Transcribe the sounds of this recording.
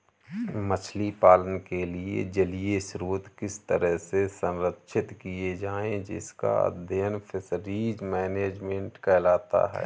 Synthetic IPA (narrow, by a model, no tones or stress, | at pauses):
mət͡ʃʰlipaːlənkeliḛd͡ʒəlijesɾuːt̪kɪst̪əɾəɦsesə̃nɾət̪ːʃʰɪt̪kied͡ʒaːẽd͡ʒɪ̰ska̰ə̰d̪ʱəənpʰɪsɾiːd͡ʒmɛːneːd͡ʒmẽːɳʈkɛːlaːt̪a̰ɦɛ̰ː